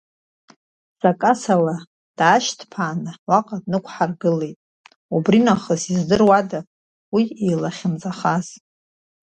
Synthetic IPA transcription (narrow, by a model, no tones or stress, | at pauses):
z̥akʼasala | d̥aːʃtʰpʰaːnɨwaqʼadnɨkʷʰħarɡɨle̞jtʼ | ubrinaχəzizdɨrwada | wiejlaχʲɪmzaχaz̥